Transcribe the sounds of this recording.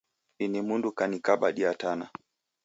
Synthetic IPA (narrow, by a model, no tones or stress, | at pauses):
inimundukanikaɓa̰ɗiatana